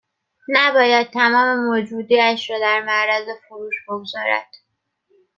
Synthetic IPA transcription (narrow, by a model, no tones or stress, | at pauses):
næbɒːjæd̪̥̚t̪ʰːæmɒːme̞mod͡ʒuːd̪iːæʃɾɒːd̪æɾmæɾæze̞foɾuːʃb̥oɡzɒːɾæ̰d̪̥